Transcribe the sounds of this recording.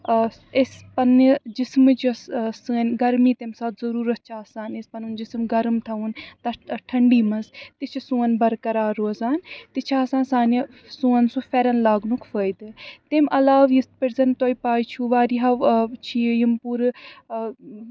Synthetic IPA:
espɐnid͡ʒɪsmɨt͡ʃissɨnɡɐɾmiːt̪emsaːt̪zɐɾuːɾɐt̪̚t͡ʃʰaːsaːnespɐnund͡ʒɪsmɡɐɾmt̪ʰɐunt̪ɐʈʰɐɳɖiːmɐnzt̪it͡ʃʰisũːɐnbɐɾkɐɾaːɾoːzaːnt̪it͡ʃʰaːsãːnsaːni | sũɐnsũfʰɛɾɐnlaːɡnukʰfəjd̪ɨt̪emʔɐlaːʋjist̪pɪɾzɐnt̪oːipaːjt͡ʃʰuʋaːɾiːɦɐt͡ʃʰijimpuɾ

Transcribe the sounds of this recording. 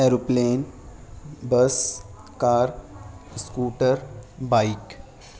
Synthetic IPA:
ɛːɾoːpleːn | bəs | kaːɾskuːʈəɾbaːɪk

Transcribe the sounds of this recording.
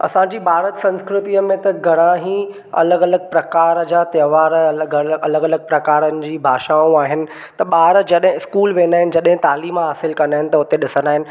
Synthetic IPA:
ɐ̰sãd͡ʑiːbʱaːɾət̪sɐ̃nskɾɪt̪iəmẽt̪ɐɡʱɐɽ̃ãɦĩ | ɐ̰ləɡɐləɡ̚pɾɐkaːɾəd͡ʑaːt̪jɐːʋaːɾɡɐɐləɡɐləɡ̚pɾɐkaːɾənɪ̆d͡ʑiːbʱaːʃaːũaːɦɪnɪ̆ | t̪ɐɓaːɾəd͡ʑɐɗɦɪ̃ɪskuːlʋeːndaːɦɪnɪ̆d͡ʑɐɗɦɪ̃t̪aːliːmɦaːsɪlkɐnd̪aːɦɪnɪ̆t̪ɐʊt̪eɗɪsənd̪aːɦɪnɪ̆

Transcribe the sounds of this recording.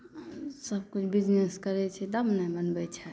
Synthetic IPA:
səb̚kut͡ʃʰbid͡ʒneskəɾɛt͡ʃʰɛd̪əbnɛbənbɛt͡ʃʰɛ

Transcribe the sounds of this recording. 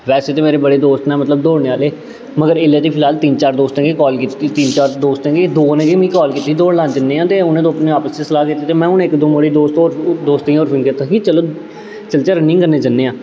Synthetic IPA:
ʋɛːseːt̪eːmeːɾeːbəɽeːd̪oːst̪nɛ̃ːmət̪ləb̚d̪oːɽneːaːleː | məɡəɾeːlaːt̪iːpʰɪlaːlt̪iːnt͡ʃaːɾd̪oːst̪ẽːɡeːkɔːlkiːt̪iːt̪iːnt͡ʃaːɾd̪oːst̪ẽːɡed̪oːnẽːd͡ʒiːmĩːkɔːlkiːt̪ːiːd̪oːɽlãːnd͡ʒənːeːãːt̪eːʊnẽːd̪õːpneːaːpəst͡ʃesəlaːkiːt̪ːiːt̪eːmɛ̃ːʊnːɪkd̪õːməɽiːd̪oːst̪oːɾd̪oːst̪ĩoːɾfʰɪ̃ŋket̪akiːt͡ʃəloː | t͡ʃəlt͡ʃaːɾənɪ̃ŋkəɾneːd͡ʒənːeːãː

